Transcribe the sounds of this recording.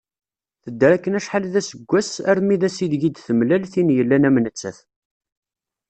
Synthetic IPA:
θəd̪ːəɾækːənæʃħalðæsəɡʷːæsæɾmiðæsiðʝid̪θəmlælθinjəlːænæmnət͡sːæ̰θ

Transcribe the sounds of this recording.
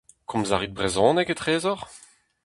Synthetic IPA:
kʰɔ̃mza̰ʁid̪̚bʁezɔ̃ːnɛket̪ʁeːzɔʁ

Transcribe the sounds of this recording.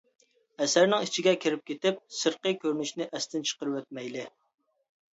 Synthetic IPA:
ɛsæɾnɪŋit͡ʃʰiɡʲɛkʲʰiɾɪp̚kʲʰet̪ɪp̚səɾqəkʲʰøɾnyʃnɪʔɛst̪ʰɪnt͡ʃʰə̥qəɾɨwɛt̪̚mɛjlɪ

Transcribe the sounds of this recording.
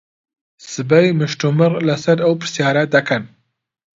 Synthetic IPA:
sɨbɐjmɨʃtumɨɾlɐsɐɾɐwpɾɨ̥sjɑːɾad̪ɐkʰɐn

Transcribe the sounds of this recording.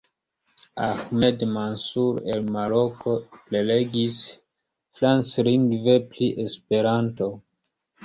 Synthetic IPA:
axmedmansuɾḛlmaɾokople̞leɡis | flansɾiŋɡvepliʔespe̞ɾanto

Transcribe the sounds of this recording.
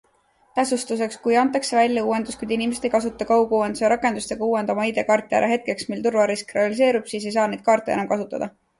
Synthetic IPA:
t̪æsust̪us̬e̞kskujɑnt̪ˑːɑkse̞vælʲjɑuːe̞nd̪̥uskujd̪inimese̞d̪ejkɑsut̪ːˑɑkɑwkuːenseɾʔɑkːˑe̞nd̪̥ust̪e̞ɡ̥ɑuːe̞nd̪̥ɑmɑid̪e̞kɑrt̪ːˑɑ̰ɾʔɑɦe̞t̪̚ke̞ksmilt̪urvɑɾiskre̞ɑlis̬e̞ːɾub̥siːs̬e̞jsɑːne̞jd̪̥̚kɑːrt̪ːˑeenɑmkɑsut̪ːˑɑd̪̥ɑ

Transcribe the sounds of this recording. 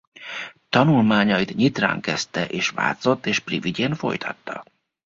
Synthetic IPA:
t̪ɒnulmaːɲɒjit̪ɲit̪ra̰ːŋkɛst̪ɛʔeːʃʋa̰ːt̪so̞t̪ːeːʃpriviɟeːnfo̞̰jt̪ʰɒt̪ːɒ

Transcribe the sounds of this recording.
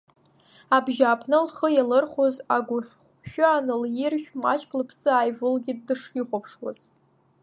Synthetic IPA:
abʒaːpʰnɨlχəjalɨrχʷozaɡʷʊχʲχʷ | ʃᶣʊanɨljɪrʃᶣmat͡ʃkʼlɨpʰsɨaːjvʊlɡʲɪdːɨʂjɪχʷapʰʂwa̰z̥

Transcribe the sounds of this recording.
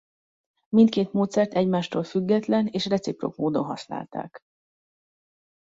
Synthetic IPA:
mint̪̚keːt̪moːt̪sɛrt̪ɛɟmaːʃt̪oːlfyɡːɛt̪lɛneːʃrɛt̪sipro̞̰kmoːd̪onɦɒsna̰ːlt̪a̰ːk

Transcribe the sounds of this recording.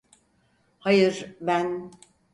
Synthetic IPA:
hajɯɾbæn

